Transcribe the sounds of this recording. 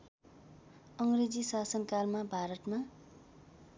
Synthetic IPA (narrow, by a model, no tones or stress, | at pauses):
ʌŋred͡zisasʌnkarmabʱaɾʌt̪ma